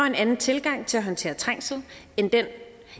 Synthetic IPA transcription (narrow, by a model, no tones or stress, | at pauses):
ɐe̝nænn̩t͡sʰe̝lɡ̥ɑ̈ŋ̰t͡sʰe̝læɦɒ̽nt͡sʰe̝̰ːɐt͡sʰʁaŋ̰sð̩ˠ | end̥en